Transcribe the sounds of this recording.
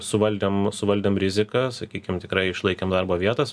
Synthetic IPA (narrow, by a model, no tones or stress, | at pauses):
sʊʋɐlʲd̪ʲeːmsʊʋɐlʲd̪ʲeːmɾʲɪzʲɪkɐsɐkʲiːkʲɪmt̪ʲɪkɾɐɪɪʃlˠɐɪkʲeːmd̪ɐrboːʋʲiɛt̪ɐs